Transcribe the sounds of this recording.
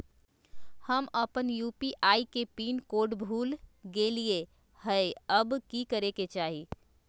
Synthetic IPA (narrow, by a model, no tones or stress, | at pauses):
həməpənjuːpiʔaːikepiːnkoːɖbʱuːlɡelie | həeəbkikəɾeket͡ʃaːɦi